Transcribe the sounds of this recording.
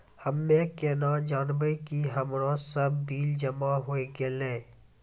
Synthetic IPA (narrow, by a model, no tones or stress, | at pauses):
həmːẽkeːnãːd͡ʒaːnbəikiɦəmɾɔ̃ːsəbːiːld͡ʒəmaɦoeɡeleː